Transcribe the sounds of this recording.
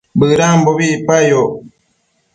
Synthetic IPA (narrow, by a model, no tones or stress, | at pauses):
bɯɾamboβipajo